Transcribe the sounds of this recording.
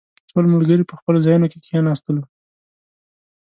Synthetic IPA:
solmʊlɡəɾipəxpəlozɑjunoke̥kijɑnɑst̪əlu

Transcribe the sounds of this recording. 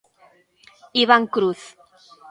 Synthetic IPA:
iβaŋkɾuθ

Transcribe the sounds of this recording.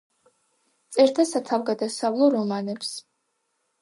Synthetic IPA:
t̪sʼɛɾt̪ʰasat̪ʰavɡad̪asavlˠɔɾɔmanɛps

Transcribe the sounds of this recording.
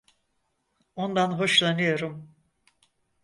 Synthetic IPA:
o̞nd̪anɦo̞ʃlˠanɯjo̞ɾum

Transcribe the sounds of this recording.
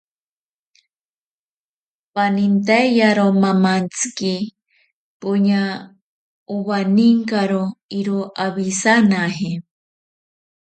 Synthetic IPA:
panint̪ajjaɾomamant͡ski | puɲa | uβaniŋkaɾoiɾoʔaβisanaɦi

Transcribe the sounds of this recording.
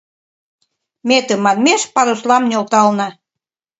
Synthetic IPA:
met̪ə̆mɑnmeʃpɑɾoslɑmnʲolt̪ɑlnɑ

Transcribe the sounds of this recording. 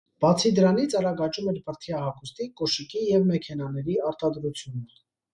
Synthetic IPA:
b̥ɑt͡sʰid̪əɾɑnit͡sʰɑɾɑɡɑt͡ʃumɛɾpəɾt̪ʰjɑɦɑkʰust̪ikɔʃikijɛvmɛkʰɛnɑnɛɾiɑɾt̪ɑd̪ɾut͡sʰjunə

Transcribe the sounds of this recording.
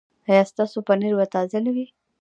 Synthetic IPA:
ajɑst̪ɑsopaniɾwat̪ɑzalawi

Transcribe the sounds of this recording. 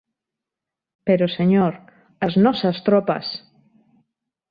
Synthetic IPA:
peɾoseɲoɾ | aznɔsast̪ɾɔpa̰s

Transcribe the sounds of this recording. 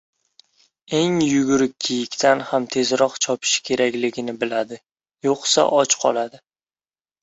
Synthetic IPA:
e̞ŋjʊɡʊɾɪk̚ʲːʰijɪkʲt̪ʰanhamt̪ʰe̞zɾɒqt͡ʃʰɒpʰɪ̥ʃɪ̥kʲʰe̞ɾakʲlɪɡʲɪnɪbɪlad̪ɪ | joqsa̰ʔɒt͡ʃqʰɒ̰lˠad̪ɪ

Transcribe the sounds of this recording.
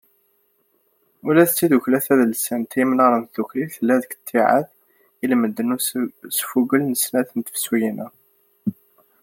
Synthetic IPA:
ulæðt͡sːiðuçlæθæðəlsænt̪jimnɑɾˤənðukɾiθəlːæðəkt̪ʰːiʕa̰ð | ilməd̪ːənusə̥fuɡəlnəsnæθənt̪ə̥fswijinæ

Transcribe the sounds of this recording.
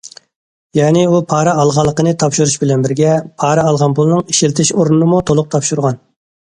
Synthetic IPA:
jɑːnɪupʰɑːɾɨɑlˠʁɑlˠːəqənɨt̪ʰɑpʃuɾuʃbɪlɛnbɪɾɡʲɛpʰɑːɾɨɑlˠʁɑnpʰulˠnɨŋiʃilt̪ʰɪʃoɾnɨnɨmut̪ʰolˠʊq̚t̪ʰɑpʃuɾʁɑn

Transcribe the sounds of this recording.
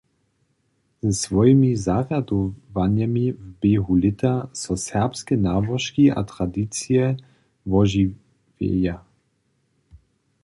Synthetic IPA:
z̥ɛsvɔjimizaʁad̪ɔvanjamivbeːɦulɪt̪asɔsɛʁpskɛnaːbɔʃkiʔa̰t̪ʁad̪it͡sijɛ | vɔʒi | vɛ̰ja

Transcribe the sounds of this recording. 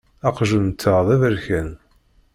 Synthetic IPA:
ɑqʒunt̪ʰːəðˤævəɾçæn

